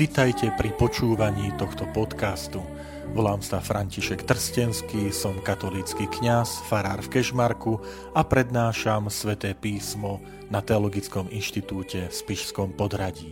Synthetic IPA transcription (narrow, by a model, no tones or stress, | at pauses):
ʋit̪ajcɛpɾipɔt͡ʃuːʋaɲiːt̪ɔxt̪ɔpɔt̪kast̪u | ʋɔlaːmsafɾʔaɲciʃɛkt̪r̩scɛnskiːsɔmkat̪ɔliːt͡skikɲasfaɾaːɾfkɛʒmaɾku | apɾɛd̪naːʃamsʋɛt̪ɛːpiːsmɔ | nat̪ɛɔlɔɡit͡skɔminʃt̪it̪uːcɛfspiʃskɔmpɔd̪ɾaɟiː